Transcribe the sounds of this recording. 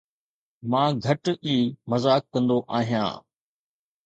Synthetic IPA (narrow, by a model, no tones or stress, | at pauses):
mãːɡʱɐʈʔiːmɐzaːkːɐ̃nd̪oʔaːɦijã̰ː